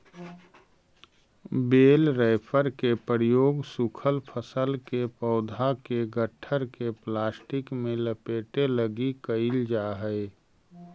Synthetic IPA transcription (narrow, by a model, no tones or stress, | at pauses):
beːlɾaɪpʰəɾkepəɾjoːɡsʊkʰəlpʰəsəlkepəʊd̪ʱakeɡəʈʰːəɾkeplaːsʈɪkmẽləpeːʈeləɡikəɪld͡ʒaɦəɪ